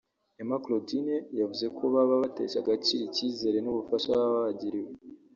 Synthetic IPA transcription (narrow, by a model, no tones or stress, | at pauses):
emaklodinejavuze̞kʰo̞βaβaβate̞̰ʃaɡaciːɾiciːze̞ɾe̞nuβufaʃaβaβaβaɟiɾiwe